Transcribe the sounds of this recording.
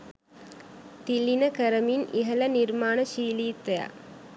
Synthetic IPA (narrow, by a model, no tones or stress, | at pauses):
t̪ilːinəkəɾəminʔiɦələnirmaːnəʃiːliːt̪eja̰